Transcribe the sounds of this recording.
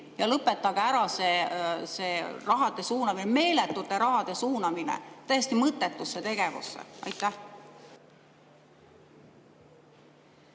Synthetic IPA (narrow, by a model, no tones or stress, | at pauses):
jɑlɤpːˑet̪ːˑɑɡ̥æɾɑse̞se̞ːrɑɦɑd̪esuːnɑmineme̞ːlet̪ːˑut̪ːˑe̞ɾɑɦɑd̪̥e̞suːnɑminḛt̪æjesʲt̪imɤt̪ːˑe̞t̪ˑːusːet̪e̞ɡ̥e̞vṵsːḛɑ̰jt̪ːˑæh